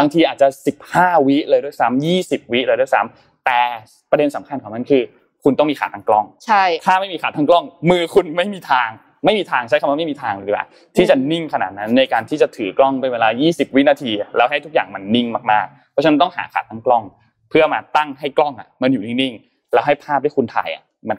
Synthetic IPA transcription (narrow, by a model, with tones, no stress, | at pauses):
baː˧ŋt̪ʰiː˧ʔaː˨˩t̪̚t͡ɕa˨˧si˨˩p̚haː˥˩wi˦˥ʔlɤː˧jdu˥˩jsa˦˥mjiː˥˩si˨˩p̚wi˦˥ʔlɤː˧du˥˩jsa̰˦˥m | t̪ɛː˨˩ | pɾa˧de˧nsa˩˦mkʰa˧nkʰɔː˨˩˦ma˧˥nkʰɯː˧ | kʰu˧nt̪ɔ˥˩ŋmiː˧aː˨˩t̪ʰaː˧˦ŋklɔ˥˩ŋt͡ɕʰa˥˩jt̪ʰaː˥˩ma˥˩jmiː˧xaː˨˩t̪ʰːa˦˥ŋklɔ˥˩ŋmɯː˧kʰu˧nma˥˩jmiː˧t̪ʰaː˧ŋ | ma˥˩jmiː˧t̪ʰaː˧ŋt͡ɕʰa˦˥kʰa˧waː˥˧ma˥˩jmiː˧t̪ʰaː˧ŋː˧˩i˦kla̰ː˨˩w | t̪ʰi˥˩t͡ɕa˨˩ni˥˩ŋkʰa˧na̰˨˩t̪̚na˦˥nːa˧jkaː˧nt̪ʰiː˥˩t͡ɕa˨˩t̪ʰɯː˩˦klɔ˥˩ŋpa˧nweː˧laː˧jiː˥˩si˨˩p̚wi˦˥naː˧t̪ʰiː˧lɛː˦˥wɦa˥˩jt̪ʰu˦˥k̚jaː˨˩ŋma˧nːi˥˩ŋmaː˧˩k̚maː˥˩k̚pʰɔ˧˦˥t͡ɕa˧n˧˦nt̪ɔ˥˩ŋɦa̰ː˩˦kʰa̰ː˨˩t̪ʰːaː˦˥ŋklɔ˥˩ŋ | pʰɯ˥˩ɐmaː˧t̪a˥˩ŋɦa˥˩jklɔ˥˩ŋʔa̰˩ma˧njuː˨˩ni˥˩ni˥˩ŋ | lɛː˦˥wɦa˥˩jpʰaː˥˩p̚d̪ʰːku˧nt̪ʰa̰ː˨˩jʔa̰˨˩ | ma˧n